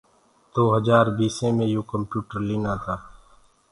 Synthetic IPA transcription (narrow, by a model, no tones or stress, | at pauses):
d̪̥oːɦəd͡ʒaːɾbiːsẽːmẽːjõːkəmpjuːʈəɾliːnaːt̪ʰaː